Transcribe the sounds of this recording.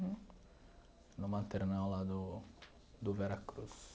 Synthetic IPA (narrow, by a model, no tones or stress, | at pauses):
nʊmãnt̪eɾnawlad̪ʊ | d̪ʊvɛɾakɾus